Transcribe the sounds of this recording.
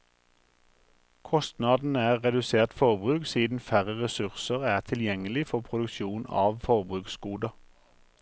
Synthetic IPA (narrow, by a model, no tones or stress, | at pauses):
kʰɔst̪nɑːd̪n̩æːʁʁɛd̪ʉseːʁt̪fɔʁbʁʉːksiːd̪n̩fæʁəʁɛsʉʁsəʁæːʁt̪ʰɪljɛŋəlɪfɔʁpʰʁʊd̪ʉkʃuːnɑ̰ːʋfɔʁbʁʉːksɡuːd̪ɑ